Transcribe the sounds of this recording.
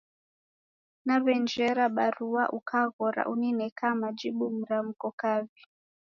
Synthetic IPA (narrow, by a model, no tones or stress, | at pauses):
naβɛnd͡ʒɛɾaɓaɾuaʔukaɣɔɾa̰ʔuninɛkamad͡ʒiɓum̩ɾam̩kɔkavi